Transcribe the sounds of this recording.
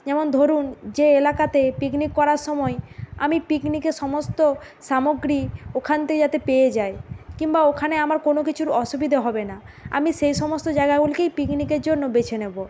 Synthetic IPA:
d͡ʑɛmond̪ʱoɾund͡ʑeelakat̪epiknikːɔɾaɾʃɔmɔea̰mipiknikeʃɔmost̪o | ʃamoɡɾiokʰant̪ekd͡ʑat̪epeed͡ʑaekimbaokʰaneamaɾkonokit͡ɕʰuɾɔʃubid̪ʱaɦɔbena | a̰miʃejʃɔmost̪od͡ʑaeɡaɡulkejpiknikeɾd͡ʑonːobet͡ɕʰenebo

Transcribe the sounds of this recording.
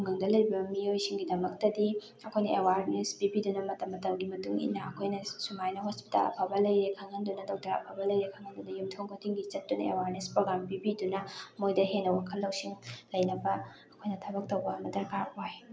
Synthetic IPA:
toŋɡɐŋdɐlɐjbɐmiojsiŋɡidɐmɐk̚tɐdi | ɐkʰojnɐʔewaɾnesbibidunɐmɐtɐmːɐtɐmɡimɐtuŋḭnːɐɐkʰojnɐsumajnɐɦospi̥ta̰lɐ̰pʰabɐlɐjɾekʰɐŋɐndunɐdok̚tɐɾɐ̰pʰabɐlɐjɾekʰɐŋɐndunɐjumtʰoŋkotʰiŋɡit͡ʃɐt̚ːunɐ̰ḛwaɾnespɾoɡɾampibidunɐmojdɐɦenːɐwakʰɐlːɐwsiŋlɐjnɐbɐ | ɐkʰojnɐtʰɐbɐk̚towbɐɐmɐdɐɾkaɾoj

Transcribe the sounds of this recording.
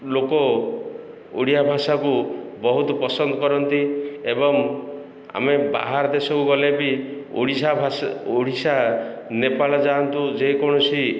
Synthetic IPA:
lokɔ | ṵɽijabʱasakubɔɦut̪ɔpɔsɔnd̪ɔkɔɾɔnt̪iebɔŋ | a̰meba̰ɦaɾd̪esɔkuɡɔlebiṵɽisabʱasoɽisa | nepalɔd͡ʒant̪ũd͡ʒejkɔɽ̃ɔsi

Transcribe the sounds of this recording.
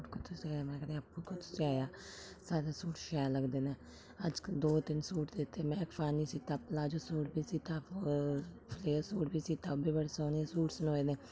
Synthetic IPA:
ʈkʊt̪ʰʊsiaːjaːmɛ̃ːkəɾeaːpːuːkʰʊt̪ʰʊ̥siaːjaːsaːɾaːsuːʈʃaːjləɡd̪eːneː | əd͡ʒd̪oːt̪ɪnsuːʈd̪et̪ːeːmɛ̃ːkpʰaːniːsiːt̪aːplaːd͡ʒoːsuːʈbiːsiːt̪ãː | pʰleːəɾsuːʈbiːsiːt̪aːbiːbəɽsoːnesuːʈsənoːeːneː

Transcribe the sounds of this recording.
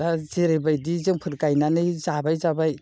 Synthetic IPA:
azeɾebajdizɯŋpʰɯɾkajnanɯjzabajzabaj

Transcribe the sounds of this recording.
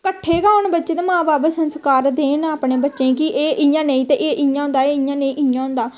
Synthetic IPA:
kəʈʰːeːɡaːʊɳbətːʃeːd̪eːmãːbaːbsənskaːɾd̪eːnaːpɳẽːbətːʃẽːkɪʔeːʔɪjãːneĩːt̪eːʔeːʔɪjãːɦʊ̃nd̪aːeːɪjãːnẽĩːʔɪjãːɦʊ̃nd̪aː

